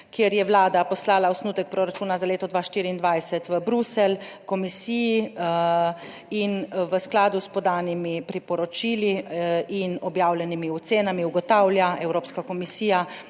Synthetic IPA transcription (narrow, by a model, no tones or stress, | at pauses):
kjeɾjɛʋlaːd̪apɔslaːlaɔsnuːt̪ɛk̚pɾoɾat͡ʃuːnazaleːt̪ɔd̪ʋaːʃt̪iɾiːnd̪ʋajsɛt̪ʋəbɾusɛlkɔmisiːji | inʋəsklaːd̪uspɔd̪aːnimipɾipɔɾɔt͡ʃiːliinɔbjaːwlʲjɛnimiɔt̪seːnamiuɡɔt̪awljaɛwɾoːpskakɔmisiːja